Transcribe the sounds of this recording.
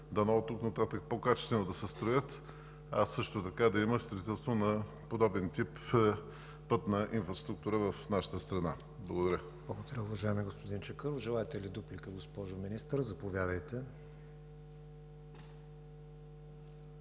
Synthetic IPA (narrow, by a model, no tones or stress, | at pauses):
d̪ɐnɔt̪uknɐt̪at̪əkpokat͡ʃɛst̪vɛnod̪ɐsɛst̪ɾojət̪ | ɐ̰sɤʃt̪ot̪ɐkad̪ɐiməst̪ɾɐit̪ɛlˠst̪vonɐ | pod̪ɔbɛnt̪ip | pɤt̪nɐʔinfɾɐst̪ɾukt̪uɾəvɐfnaʃə̥t̪əst̪ɾɐna | blˠɐɡod̪ɐɾʲə | blˠɐɡod̪ɐɾʲəʊvɐʒaɛmiɡospod̪int͡ʃɛkəɾofʒɛlˠaɛt̪ɛlid̪uplikəɡospɔʒʊminist̪ɾzɐpovʲjad̪əjt̪ɛ